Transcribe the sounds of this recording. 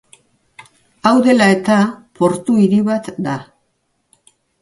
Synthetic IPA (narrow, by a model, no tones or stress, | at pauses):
awðe̞lae̞t̪apo̞ɾt̪uiɾiβat̪d̪a